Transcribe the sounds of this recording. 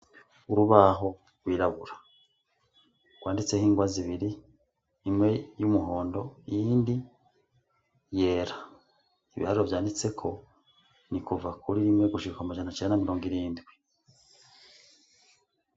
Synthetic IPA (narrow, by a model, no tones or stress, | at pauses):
uɾuβaɦo̞ | ɡwiːɾaβuɾḁ | ɡ̥waːndit͡se̞hiːŋɡwaziβiɾiː | mŋe̞jumuɦo̞ːndo̞ijiːndi | je̞ːɾa | ḭβḭhaɾovjaːndit͡se̞kʰo̞ | nikuvakʰuɾiɾimŋe̞ɡuʃiɾukamaʒanat͡ʃendamiɾo̞ːŋɡiɾiːndɡwi